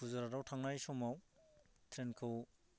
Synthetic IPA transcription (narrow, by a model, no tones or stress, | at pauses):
uzaɾaɾawtʰaŋnajsɔmaw | tʰɾenkʰɯw